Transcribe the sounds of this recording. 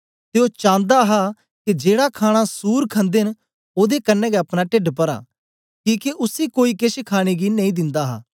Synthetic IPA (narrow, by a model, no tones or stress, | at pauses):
t̪eot͡ʃãːnd̪aɦa | kid͡ʒeːɽakʰaːɽ̃asuːɾkʰə̃nd̪en | oːd̪ekɐnːɛ̃ːɡɛɐpɽ̃aʈɪɖpɐɾa̰ː | kĩːkeʔʊsikoːikɪʃkʰaːɽ̃eɡinɐ̃ĩːd̪ɪ̃nd̪aɦa̰ː